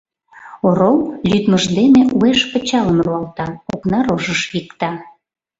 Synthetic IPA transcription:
oɾowlʲyt̪məʒd̪emeʔueʃpə̆t͡ɕɑləmruɑlt̪ɑo̰knɑɾoʒəʃikt̪ɑ

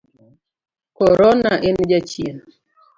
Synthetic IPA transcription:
kɔɾɔnaʔend͡ʒat͡ʃien

